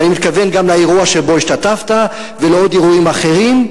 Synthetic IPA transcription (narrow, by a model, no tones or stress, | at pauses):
nimit̪̚kave̞nɡamlaeʁuaʃebo̞iʃtatafta | veleo̞diʁuimaχe̞ʁim